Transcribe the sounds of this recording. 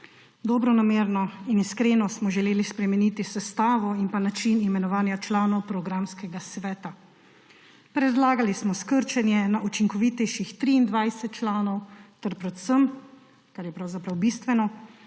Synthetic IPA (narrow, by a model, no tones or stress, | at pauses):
d̪ɔbɾɔnameːɾnɔiniskɾeːnɔsmɔʒɛleːlispɾɛmɛnit̪isɛst̪aːʋɔinpanat͡ʃinimɛnɔʋaːnjat͡ʃlaːnɔwpɾɔɡɾamskɛɡasʋɛːt̪a | pɾɛd̪laːɡalismɔskəɾt͡ʃɛnjɛnaʔut͡ʃiŋkɔʋit̪ɛjʃixt̪ɾiːnd̪ʋajsɛt̪̚t͡ʃlaːnɔwt̪ɛɾpɾɛt̪səm | kaɾjɛpɾawzapɾawbist̪ʋɛnɔ